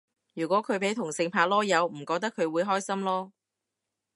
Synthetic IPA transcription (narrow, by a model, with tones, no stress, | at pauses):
jyː˨˩kʷɔ˨˥kʰɵ˨˧ɥpe˨˥jt̪ʰʊ˨˩ŋsɪ˧ŋpʰaː˨˧lɔː˥jɐ˨˧wm̩˨˩kɔː˧k̚t̪ɐ˥kʰːɵ˨˧ɥwuː˨˧jɦɔː˥jsɐ˥mlɔː˥